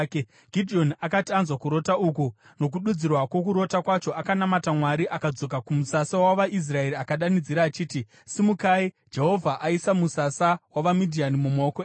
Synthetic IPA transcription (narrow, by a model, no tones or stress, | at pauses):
ɡ̥ʱidʱio̞nakatianzwakuɾo̞tauku | no̞k̬uɗud͡zirwakwo̞kuɾo̞takwat͡ʃo̞akanamatamwaɾiʔakad͡zo̞k̬akumusasawaʋais̬rae̞ɾiakaɗanid͡ziɾaːt͡ʃiːti | simukai | d͡ʒe̞ɦo̞vʱaʔaisamusasawaʋamidʱianimumoko